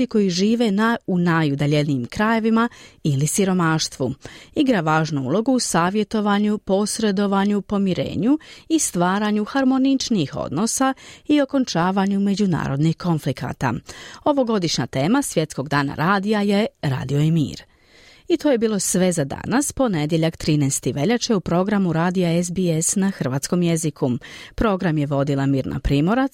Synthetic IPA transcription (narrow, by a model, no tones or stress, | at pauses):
iko̞jiʒiːʋe̞naunajud̪aʎenijimkɾaje̞ʋimailisiɾo̞maːʃt̪ʋṵiɡɾaʋaːʒnuṵlˠo̞ɡuːsaːʋje̞t̪o̞ʋaɲupo̞sɾe̞d̪o̞ʋaɲupo̞miɾḛːɲuist̪ʋaːɾaːɲuxaɾmo̞nit͡ʃniixo̞̰d̪no̞saio̞ko̞nt͡ʃaːʋaːɲume̞d͡ʑuna̰ːɾo̞d̪nihko̞nflikʰa̰ːt̪a̰o̞ʋo̞ɡo̞d̪iʃɲa̰t̪e̞ːmasʋje̞t̪sko̞ɡd̪aːna̰ɾaːd̪ijaje̞ɾa̰ːd̪io̞jɛmḭːɾ | it̪oje̞biːlˠo̞sʋe̞zad̪a̰naspo̞ne̞d̪je̞ʎakt̪ɾiːnɛst̪iʋe̞ʎat͡ʃeupɾo̞ɡɾamuɾaːd̪ijaezbiesnaxr̩ʋaːt̪sko̞mje̞zikʰupɾo̞ɡɾamje̞ʋo̞d̪ilˠamiːɾna̰pɾiːmo̞ɾa